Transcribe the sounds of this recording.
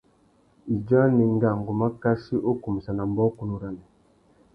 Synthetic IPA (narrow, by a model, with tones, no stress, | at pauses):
i˨d͡ʒa˦ni˨ŋ˦ɡa˨ŋ˨ɡo˨ma˦ka˦si˦ʔo˦ku˨mi˨sa˨na˨m˦bɔ˦ku˦nu˦ɾa˨nɛ˨